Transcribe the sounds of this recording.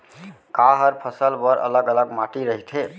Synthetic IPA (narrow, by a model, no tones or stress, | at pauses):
kaɦəɾpʰəsəlbəɾʔə̰ləɡələɡmaʈiɾəɦit̪ʰe